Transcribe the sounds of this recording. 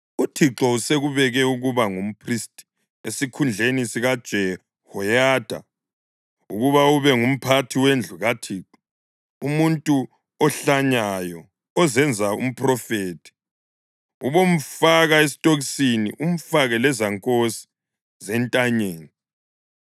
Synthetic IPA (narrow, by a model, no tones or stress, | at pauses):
utʰiǁɔuseɣuβɛɣɛuɣuβaŋum̩pʰristʼi̥ | esikʰund͡ɮʱenisiɣad̥ʒ̥ʱɛ | hɔjaːd̥ʱa̰ | ṵɣuβauβɛŋum̩pʰatʰiwend͡ɮʱuɣatʰiǁɔ | umuntʼu | ɔɬaɲajɔ | ɔzɛnd͡zʱaṵm̩pʰʼrɔfeːtʰi̥ | uβom̩faɣaes̬i̥tʼoɣisinḭʔum̩faɣɛlɛzaŋkʼosi̥ | zɛntʼaɲeːni